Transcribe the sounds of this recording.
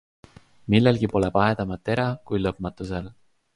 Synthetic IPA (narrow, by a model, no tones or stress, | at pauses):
milːelɡipo̞lepɑed̪̥ɑmɑt̪ːˑe̞ɾɑkujlɤp̚mɑt̪ːˑusel